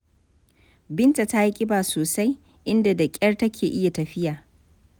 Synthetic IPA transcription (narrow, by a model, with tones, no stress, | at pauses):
bɪ˦nta˨ta˦ji˦kʲʼɪ˦baː˨soː˨sa˦j | ʔɪ˦nda˨dɐ˨kʲʼɐ˦rtɐ˦kʲʰeː˨ʔɪ˦ja˨tɐ˨ɸɪ˦jaː˨